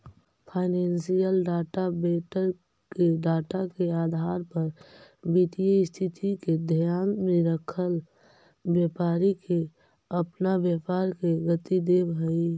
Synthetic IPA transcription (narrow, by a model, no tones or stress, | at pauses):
pʰaːɪneːnsijəlɖaːʈabeːʈəɾ | keɖaːʈakeaːd̪ʱaːɾpəɾbiʈ̪ijest̪ʰit̪ʰiked̪ʱjaːnmeɾəkʰəl | bjepaːɾike | əpnabjepaːɾkeɡət̪id̪ebɦəi